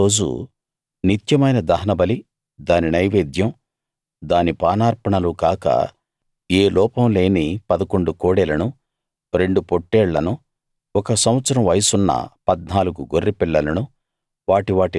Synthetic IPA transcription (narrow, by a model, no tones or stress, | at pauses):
o̞ːd͡ʒṵ | nit̪jɐmɐjnɐd̪ɐɦɐnɐbɐli | d̪aːninɐjʋeːd̪jɐm | d̪aːnipaːnaːɾpɐɳɐlukaːkɐ̰ | eːlɔːpɐmle̞ːnipɐd̪ɐkoɳɖukoːɽɛlɐnu | ɾe̞ɳɖupoʈːɛːɭːɐnu | ɔkɐsɐm̃ɐt̪sɐɾɐ̃mʋɐjɐsunːɐ̰pɐd̪̚naːluɡuɡorːipiɭːɐlɐnu | ʋaːʈiʋaːʈi